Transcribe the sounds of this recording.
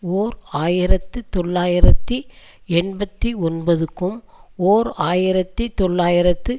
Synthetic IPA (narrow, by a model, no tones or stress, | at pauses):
oːɾaːjɪɾɐt̪ːɯt̪ɔɭːaːjɪɾɐt̪ːi | ɛnbɐt̪ːiɔnbɐðɯkːɯm | oːɾaːjɪɾɐt̪ːit̪ɔɭːaːjɪɾɐt̪ːɯ